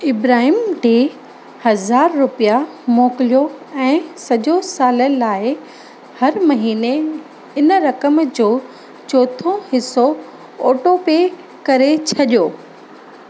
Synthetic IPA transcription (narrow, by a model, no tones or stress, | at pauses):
ɪbɾaːɦiːmd͡ʑeː | hɐzaːɾːʊpijamoːkɪlijoɛ̃ːsɐʄosaːləlaːɪ | hɐɾmɐɦiːne | ɪnɾɐkəmd͡ʑoː | t͡ɕoːt̪ʰõhɪso | oːʈope | kɐɾet͡ɕʰɐɗijoː